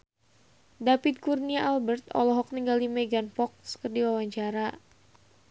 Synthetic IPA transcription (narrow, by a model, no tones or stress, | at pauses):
dapɪd̪̚kurniaʔalbərt̪̚ɔ̰lɔɦɔk̚niŋɡaldimɛɡanpɔk̚skərdiwawaɲt͡ʃaɾa